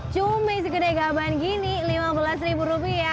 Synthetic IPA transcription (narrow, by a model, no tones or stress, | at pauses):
t͡ʃumɪsəkədaɡabankinilimabəlasɾibuɾupia